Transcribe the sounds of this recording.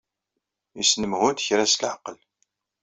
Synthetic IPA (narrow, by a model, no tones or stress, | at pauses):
isnəmhʊt̪çɾæslʕəqːəl